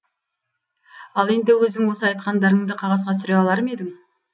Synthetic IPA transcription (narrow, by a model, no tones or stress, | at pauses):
ɑlˠe̞nd̪ewɵzd̪ɪŋwo̞səɑjt̪̚qɑnd̪ɑɾəɴd̪əqʰɑʁɑzʁɑt̪sʏɾeɑlˠɑɾəme̞d̪ɪŋ